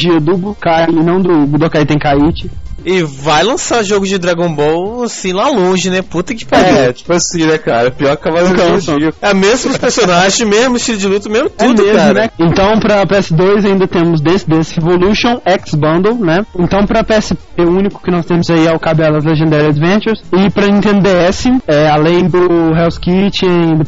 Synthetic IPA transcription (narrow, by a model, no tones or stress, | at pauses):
d͡ʒiɐd̪ʊbud̪kaɪnɐ̃w̃d̪ʊbud̪okajt̪ẽj̃kait͡ʃɪɪvajlɐ̃saɾʒoɡʊzd͡ʒɪd̪ɾaɡõbowasĩlalõʒɪnɛput̪ɐkɪ̥paɛt͡ʃi̥pʊasĩnɛkaɾɐpiɔɾkavakɐ̃siɛmezmʊʊspeɾsonaʒẽj̃mezmʊɪst͡ʃilʊd͡ʒɪlut̪ɐmezmʊt̪ɛumʊekzamʊnɛẽnt̪ɐ̃w̃pɾɐpeɛsɪd̪ojzaĩnd̪ɐt̪ẽmʊzd̪ẽsɪd̪ẽsɪevoluʃõw̃ɛksbɐ̃nd̪ewnɛẽnt̪ɐ̃w̃pɾɐpeɛsɪpeũnikʊ̥kɪnɔst̪ẽmʊzaiɛʊkabɛlɐzleʒẽnd̪aɾiɐd̪vẽt͡ʃeɾsɪpɾɐẽt̪ẽnd̪eɛsɪɛalẽj̃d̪ʊɦɛwskit͡ʃɪaĩd̪ɐ